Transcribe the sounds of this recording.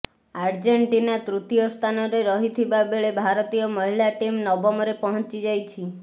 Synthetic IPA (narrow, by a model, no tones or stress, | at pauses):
aɾd͡ʒeɳʈinat̪ɾut̪ijɔst̪ʰanɔɾeɾɔɦit̪ʰibabeɭebʱaɾɔt̪ijɔmɔɦilaʈimnɔbɔmɔɾepɔɦɔ̃nt͡ʃid͡ʒajt͡ʃʰi